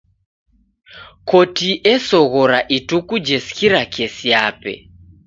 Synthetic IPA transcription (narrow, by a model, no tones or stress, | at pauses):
kɔtiʔɛsɔɣɔɾaʔitukud͡ʒɛskiɾakɛsiapɛ̰